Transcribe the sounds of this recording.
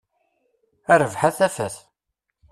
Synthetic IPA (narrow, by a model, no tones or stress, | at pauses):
æɾəvħaθæfæθ